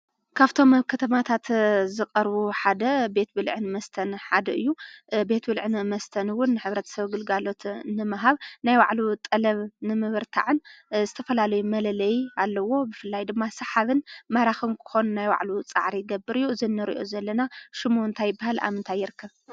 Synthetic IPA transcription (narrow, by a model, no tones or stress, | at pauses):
kʰaβt̪ʰo̞mkʰɐt̪ʰɐmat̪ʰat̪zɨkʼɐɾβuħad̪ɐbe̞t̪̚bɨlʕɨnmɐst̪ʰɐnħad̪ɐʔɨjːube̞t̪bɨlʕɨnmɐst̪ʰɐnwʊnːɨħɨβɾɐt̪ʰɐ̥sɐβɡɨlɡalo̞t̪nɨmɨɦaβnajwa̰ʕlut̪ʼɐlɐβnɨmɨβɨɾt̪ʰa̰ʕɨnzɨt̪ʰɐfɐlalɐjumɐlɐlɐjalːɐwo̞bɨfɨlːajd̪ɨmːasɐħaβɨnmɐɾaxɨnkʰɨ̥xo̞nnajwa̰ʕlut͡sʼa̰ʕɾiɡɐbːɨɾɨjːuɨzɨnːɨɾḭʔozɐlːɐnaʃɪmont̪ʰajːɪbːahala̰mɨnt̪ʰajːɪɾɨkʰːɐβ